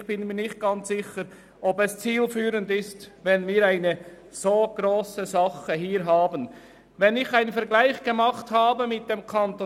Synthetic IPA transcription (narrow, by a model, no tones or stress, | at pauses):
çb̥ɪnmiːɐnɪçt̚ɡ̥ɑnt͡sz̥ɪçəɾ | ʔɔbɛst͡siːlfyːɾəndɪstvɛnviːɾaɪnə | z̥oːɡ̥ɾoːsəzɑχəɦiːɾɦaːbən | vɛnɪçaɪnənfɛɐɾɡlaɪçɡ̥əmɑχthaːbəmɪt̚d̥emkʰɑnto